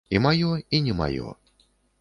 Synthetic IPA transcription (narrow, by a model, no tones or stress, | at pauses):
imajɔinʲɛma̰jɔ̰